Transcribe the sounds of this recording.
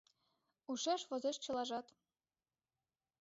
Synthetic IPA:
uʃeʃʋɤ̆zĕʃt͡ɕɤ̆lˠɑʒɑt̪

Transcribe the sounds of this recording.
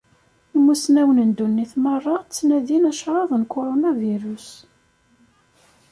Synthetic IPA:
imːusnæwənənd̪unːiθmərˤːɑt͡sːnæðinæʃɾˤɑðˤnkoɾonaviɾus

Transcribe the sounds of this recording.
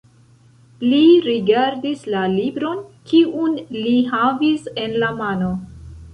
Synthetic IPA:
liɾiɡaɾdislalibɾo̞nkʰiʔunliɦavise̞nlamano̞

